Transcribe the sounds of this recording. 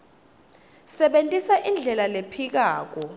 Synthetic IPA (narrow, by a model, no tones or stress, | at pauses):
sɛɓentʼisaʔind͡ɮʱɛlalepʰik̬aːk̬ɔ